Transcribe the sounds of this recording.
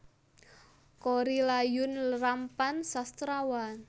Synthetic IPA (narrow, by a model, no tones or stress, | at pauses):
koɾilajʊnləɾampansast̪ɾawan